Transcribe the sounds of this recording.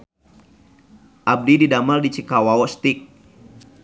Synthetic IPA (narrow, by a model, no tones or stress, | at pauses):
ʔab̚dididamaldit͡ʃikawawɔst̪ik̚